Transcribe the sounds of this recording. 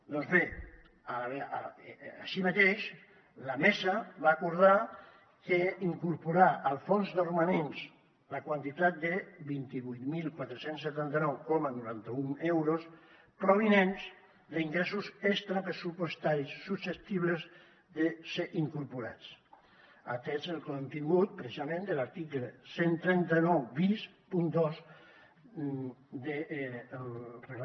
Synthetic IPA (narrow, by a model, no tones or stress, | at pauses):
d̪ɔnzβe | aβḛ | a̰ʃimat̪eʃ | lamesəβaːkuɾð̞a | keiŋkuɾpuɾaʔalˠfonzðərumanens | lakwant̪it̪at̪̚d̪ebint̪iβujt̪milˠkwat̪ɾesensːet̪ant̪ənɔwkɔmanuɾant̪əunewɾos | pɾoβinenz | d̪əiŋɡɾesuzekst̪ɾapɾesupwest̪aɾisːuset̪iβləz | ðeseʔiŋkuɾpuɾa̰t͡s | at̪ɛzəlˠkont̪iŋɡut̪̚pɾɛsizamẽnd̪əlaɾt̪ikləsent̪ɾɛnt̪anɔwβis | pund̪ɔs | d̪e | reɣ